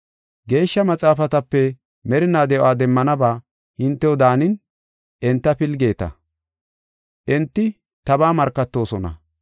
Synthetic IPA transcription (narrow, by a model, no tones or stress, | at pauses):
ɡe̞ːʃːɐmɐt͡sʼaːfɐt̪ɐpːɛ | mɛɾɪnaːd̪ɛʔo̰aːd̪ɛmːɐnɐbaː | hɪnt̪ːɛwɔd̪aːnɪn | ʔɛnt̪ːɐpɪlɡe̞ːt̪ɐ̰ | ʔɛnt̪ːɪ | t̪ɐbaːmɐɾkːɐt̪ːo̞ːsɔnɐ̰